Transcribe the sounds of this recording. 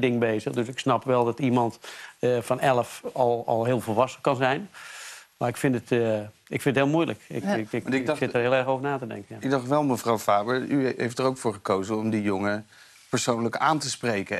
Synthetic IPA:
dɪŋbeːzəxdøsɪksnɑpʋɛlˠdɔtimɑntfɑnɛlˠəfɔlˠɔ̰lˠɦɪːəlˠvəlˠʋɑsəkɑnzɛjn | maɪkfɪntət | ɪ̰kfɪndətɦɪːlˠmujlə̰kɪksɪttərɦɪːlˠɛrxowvənaːtədɛ̰ŋkənaɡ̚dɑxtʋɛlˠməvrawvaːbəɹyɦejftərowkfʊːɹχəkowzənɔmdijoŋə | pəɹsownləkaːntəsprejkə

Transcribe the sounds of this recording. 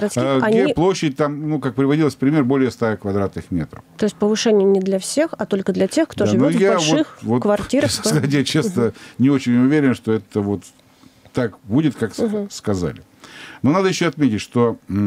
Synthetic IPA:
ɡəɾɐt̪skːɐnɡʲiplˠo̞ɕːɪt̚ʲt̪amnukak̚pɾʲɪvɐdʲilˠəsʲpɾʲɪmʲerbo̞lʲɪjəst̪akvɐd̪ɾat̪nɨxmʲḛt̪ɾə̰ft̪o̞ɪsʲtʲpəvɨʂɛnʲɪjənʲɪd̪lʲɐfsʲexɐt̪o̞lʲkəd̪lʲɐtʲe̞xkt̪oʐɨvnojaʂvoɨxvotkvɐrtʲiɾəat̬ʲjat͡ɕesnənʲɪo̞t͡ɕɪnʲʊvʲeɾʲɪnʂt̪o̞ɛt̪əvot̪ː | akbudʲɪt̪kakskɐza̰lʲɪ | no̞nad̪əjɪɕːoɐt̪mʲetʲɪtʲʂt̪o̞

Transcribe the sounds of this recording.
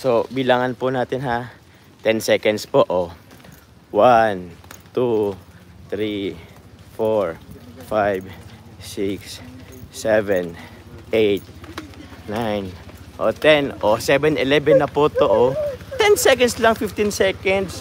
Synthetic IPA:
sobilaŋɐnpʊnaːt̪ɪnɦa | t̪ɛnsɛkɐnd̪spoʔo | want̪u | t̪ɾi | foɹfajvsiks | ɛvɛn | ʔejt̪̚ | najnʔo̰t̪ɛnʔosɛbɛnɛlɛbɛnːɐpot̪oʔot̪ɛnsɛkɐnd̪slɐŋfɪft̪insɛkɛnd̪s

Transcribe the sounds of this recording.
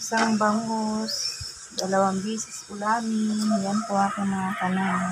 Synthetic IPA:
saŋbaŋɡus | dalawambisiskulaɾijanpuakanakana

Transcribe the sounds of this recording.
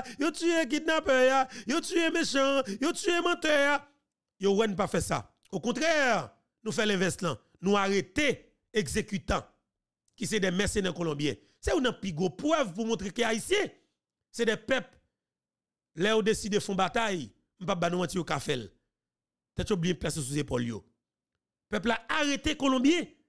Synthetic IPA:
jotyek̬it̪̚napœjajot̪yemeʃãjot̪yemãt̪œja | jowɛnũp̬afɛsa̰ | okɔ̃t̪ʁɛ | nũfɛlɛ̃vɛslã̰ | nũaʁet̪e | eɡzekyt̪ã | kis̬ɛdɛmɛsenɛkolɔ̃bjɛ̰̃ | sɛonɐ̃piɡʁopʁœvpumɔ̃t̪ʁekeaisjɛ̃ | sɛdɛpɛp | lɛjod̪esid̪efɔ̃bat̪aj | m̩̃pap̚banũmãtijokafɛl | t̪ɛtjoblijɛ̃plases̬uzepɔljo̰ | pœplaaʁet̪ekolɔ̃bjɛ̃

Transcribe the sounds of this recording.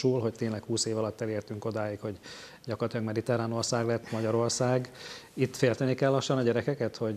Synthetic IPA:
uːlɦo̞c̚t̪eːnlɛkhuːseːvɒlɒt̪ːɛleːrt̪yŋko̞d̪aːjikho̞ɟ | ɟɒkort̪ijɒɡmɛd̪it̪ɛɾaːno̞rsaːɡlɛt̪ːmɒɟɒɾo̞rsaːɡit̪ːfeːlt̪ɛnikɛlːɒʃːɒnɒɟɛɾɛkɛkɛt̪ho̞ɟ

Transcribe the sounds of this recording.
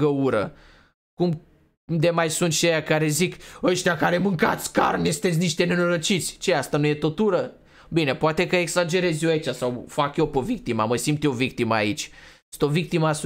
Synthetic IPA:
ɡəuɾə̰ | kum | d̪emajsunt̪t͡ʃejakaɾe̞zikəʃt̪iakaɾemɨŋka̰t̪sʲka̰rnest̪et̪sʲniʃt̪ene̞noɾot͡ʃit̪sʲt͡ʃeast̪anuje̞t̪o̞t̪uɾə | bine̞poat̪ekəeksad͡ʒe̞ɾezjoajt͡ʃasawfakjopovik̚t̪ima̰məsimt̪jovik̚t̪iməa̰it͡ʃʲ | ut̪o̞vik̚t̪imas

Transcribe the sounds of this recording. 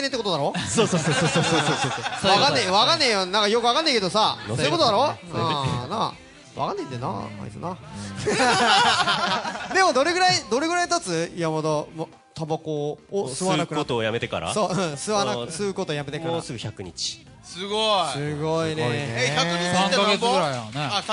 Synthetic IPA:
net̪ekot̪onaɾosososososooososoakanːeβakanːejonãŋkajo̞kɯakanːeike̞d̪osansoikot̪oaɾõ | nã̰ | o̥t̪oβa̰kanːeĩd̪ena̰a̰ḭsɨ̰na | d̪e̞mo̞d̪o̞ɾe̞ɡɯ̟ɾaid̪o̞ɾe̞ɡɯ̟ɾait̪at͡sɨjamod̪om | t̪ʰabakoosɨβanakkɯot̪oːjame̞t̪e̞ka̰ɾa̰soːɯ̃sɨβanasɨɯkot̪oːjame̞t̪e̞kaɾoasɨɡɯ̟çakɯ̟ɲḭt͡ɕi̥ | sɨɡosɨɡoineet̪aisãŋkaɡet͡sɡɯɾaine

